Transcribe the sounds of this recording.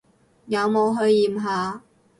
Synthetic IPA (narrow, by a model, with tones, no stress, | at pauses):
jɐ˨˧wmo˨˧wɦɵ˧ɥːiː˨mɦaː˨˧